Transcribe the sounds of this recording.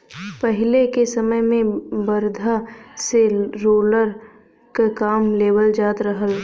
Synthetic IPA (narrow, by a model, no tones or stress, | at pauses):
pəɦɪlekesɐməjmẽbəɾd̪ʱaseɾoːləɾ | kakaːmleːwəld͡ʒaːt̪ɾəɦəl